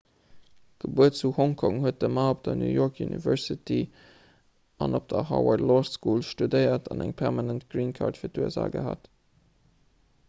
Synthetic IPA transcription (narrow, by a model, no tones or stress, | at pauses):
ɡ̥əbuətt͡suhɔŋkʰɔŋhuət̚dəmaːop̚d̥ɐnjṵːjoɹkʰjunʔḭvɜɹsitʰi | ʔɑnop̚d̥ɐhɑ̰wɑɹdlɔsskuːlʃtudəɪɐtʰɑnæŋpʰɛʁmɑnəntɡ̥ɹiːnkʰɑ̰ɹtfiːɐtuə̰za̰ːɡə̰ɦa̰ːt